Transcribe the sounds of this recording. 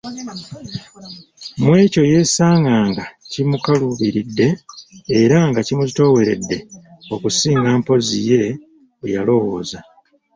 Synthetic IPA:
mwe̞ːco̞je̞ːsaːŋɡaːŋɡacimukaluβiɾidːe̞ː | ɾaŋɡacimuzito̞ːwe̞ɾe̞̰dːe̞o̞kusiːŋɡaːmpo̞zije̞ | ejalo̞wo̞ːza

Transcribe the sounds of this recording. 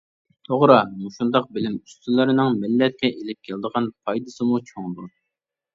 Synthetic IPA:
t̪ʰoʁɾɑmuʃund̪ɑq̚bɪlɪmy̥st̪ʰylˠɪɾɪnɨŋmɪlːɛt̪̚kʲɛʔelɪp̚kʲʰɛlɪd̪əʁɑnpʰɑjd̪ɨsɨmut͡ʃʰoŋd̪u

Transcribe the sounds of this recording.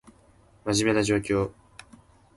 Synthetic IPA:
maʑime̞naʑo̞ːkʲo̞ː

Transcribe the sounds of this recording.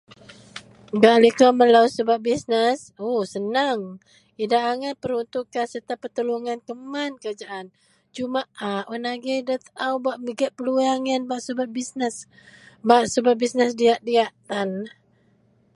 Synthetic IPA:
ɡaʔlikaməlawsəbap̚bisnəs | osənaŋ | idaʔaŋanpəɾunt̪uʔkːansərt̪apːət̪əluŋankəmankad͡ʒaʔan | t͡ʃumaʔaʔɔnaɡedət̪awbaʔməɡəʔ̚pəluaŋənbaʔsəbabisnəs | baʔsəbap̚bisnəsdiaʔdiaʔt̪an

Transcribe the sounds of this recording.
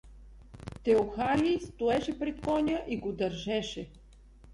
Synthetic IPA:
t̪ɛoxaɾist̪ʊɛʃɛpɾɛt̪kɔnʲəʔiɡod̪ɐɾʒɛʃɛ

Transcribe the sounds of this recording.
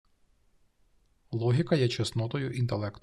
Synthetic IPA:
lˠɔɦʲikɐjɛt͡ʃɛsnɔt̪ɔjʊʔint̪elˠɛkt̪

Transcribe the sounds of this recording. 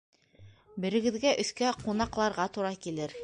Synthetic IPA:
bɘ̆ɾɘ̆ɡɘ̆ðɡæʔɵ̆θkæqunɑqlˠɑɾʁɑt̪uɾɑkilɘɾ

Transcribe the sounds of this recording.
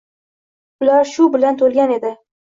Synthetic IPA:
ʊlaɾʃʊbɪlant̪ʰolɡʲane̞d̪ɪ

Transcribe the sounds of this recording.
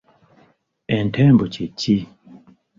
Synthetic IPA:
ɛntʰɛmbot͡ʃit͡ʃi

